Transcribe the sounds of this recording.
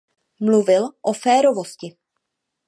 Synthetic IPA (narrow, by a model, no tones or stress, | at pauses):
mluvɪlʔofɛːɾovo̞scɪ